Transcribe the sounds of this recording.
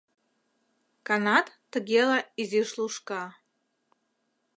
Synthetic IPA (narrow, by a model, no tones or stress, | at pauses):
kanat̪t̪ːɨɡʲelaiziʃluʂka